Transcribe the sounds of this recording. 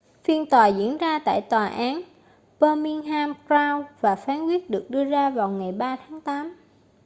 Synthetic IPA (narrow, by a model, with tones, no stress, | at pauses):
fi˧ənt̪waː˨˩zḭ˧˥ənzaː˧t̪a̰ː˧˨jt̪waː˨˩ʔaː˨˦n | pəː˧mi˧ŋɦaː˧mkɾaː˧wvaː˨˩faː˨˦nkwi˦˥ət̚ɗɨ˨˩ək̚ɗɨ˧əzaː˧vaː˨˩wŋa˨˩jɓaː˧t̪ʰaː˨˦ŋt̪aː˨˦m